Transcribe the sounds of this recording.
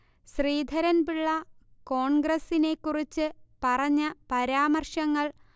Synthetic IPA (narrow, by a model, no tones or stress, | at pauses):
ɕriːd̪ʱɐɾɐnbiɭːɐko̞ːɳɡrɐsine̞kːurit͡ɕːɨpɐrɐɲːɐpɐɾaːmɐrʂɐŋːɐɭ